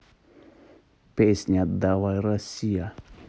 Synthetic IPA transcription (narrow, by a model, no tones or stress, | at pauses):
pɛsɲat̪d̪awaiɾasia